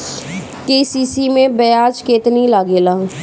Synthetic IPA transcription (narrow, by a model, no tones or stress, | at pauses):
keːsiːsiːmẽbɛjaːt͡ʃkeːt̪nilaːɡeːlãː